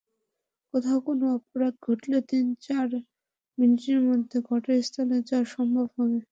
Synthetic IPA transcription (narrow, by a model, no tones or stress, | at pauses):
kot̪ʰaokonoɔpoɾat̪̚ɡʱoʈlet̪int͡ɕaɾ | miniʈeɾmod̪ʱːeɡɔʈest̪ʰalet͡ɕaɾʃɔmbʱabɦɔbe